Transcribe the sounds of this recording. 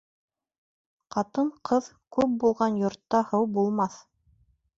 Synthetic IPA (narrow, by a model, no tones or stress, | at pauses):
qɑt̪ɤɴqʰɤð | kʉp̚bulˠʁɑnjŏɾt̪ːɑhɤwbulˠmɑθ